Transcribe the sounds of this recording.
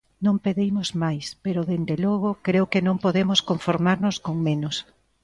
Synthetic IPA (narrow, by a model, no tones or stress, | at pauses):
nõmpeðejmozmajspeɾʊðend̪elɔɣʊkɾewkenõŋpoðemoskoɱfoɾmaɾnʊskoŋmẽnʊs